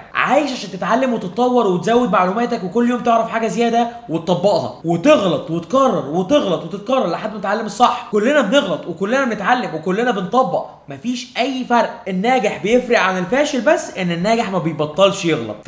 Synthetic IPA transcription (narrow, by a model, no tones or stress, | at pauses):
ʕaːjeʃaʃænt̪et̪ʕalːemwet̪ett̪ˤɑwːɑɾˤwet̪zæwːed̪maʕluːmæːt̪ækwekolːjoːmt̪eʕɾɑfħaːɡæzejæːd̪æwet̪t̪ˤːɑbːɑʔhɑ̰wet̪eɣlɑt̪ˤwet̪kɑrˤːɑɾˤwet̪eɣlɑt̪wet̪et̪̚kɑrˤːɑɾˤlaħad̪ːmnet̪ʕalːemesˤɑħːkolːenæbneɣlɑt̪ˤwekolːenæbenet̪ʕalːemwekolːenæbent̪ˤɑbːɑʔ | mæfiːʃʔæjːfɑɾˤʔenːæːɡeħbejefɾɑʔʕanelfæːʃelbæsːʔenːenːæːɡeħmæbejbɑt̪ˤːɑlʃjeɣlɑ̰t̪̚ˤ